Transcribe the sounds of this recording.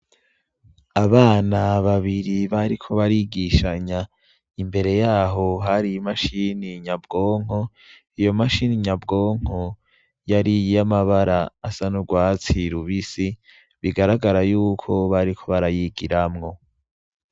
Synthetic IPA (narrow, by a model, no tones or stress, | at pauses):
aβaːnaβaβiɾiβaɾikʰo̞βaɾiɡiʃaɲa | imbe̞ɾe̞jaːɦo̞ɦaɾijimaʃiniɲabɡo̞ːŋ̥o̞ | ijo̞maʃiniɲabɡo̞ːŋ̥ho | jaɾijamaβaɾaːsanuɡwaːt͡siɾuβisi | βiɡaɾaɡaɾajuːkʰo̞βaɾikʰo̞βaɾajiɡiɾamŋo̞